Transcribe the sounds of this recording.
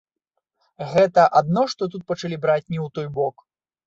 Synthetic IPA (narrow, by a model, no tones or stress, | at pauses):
ɣɛt̪ɐʔad̪nɔʂt̪ɔt̪ut̪̚pɐt͡ʂalʲibɾat͡sʲnʲɛwt̪ɔjbɔk